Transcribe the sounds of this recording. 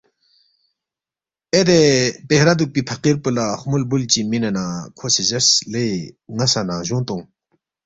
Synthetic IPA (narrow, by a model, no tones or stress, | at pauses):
ʔed̪epehɾad̪uk̚pipʰaqerpəlaχmolbult͡ɕiminanakʰoɕeʑasleŋasanaʑoŋt̪oŋ